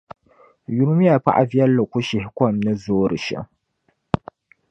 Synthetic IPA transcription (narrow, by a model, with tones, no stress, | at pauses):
ju˨ɾʊ˦m˦ja˨pa̰˦ʔa̰˦vjɛ˦lːɨ˨ku˦ʃɪ˨hɪ˦kɔ˦˨mnɨ˦zoː˦ɾɨ˨ʃɛ̰˨ŋ